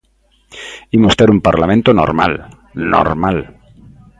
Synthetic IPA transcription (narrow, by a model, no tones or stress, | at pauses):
imost̪eɾumpaɾlamẽnt̪ono̰ɾma̰l | no̰ɾmal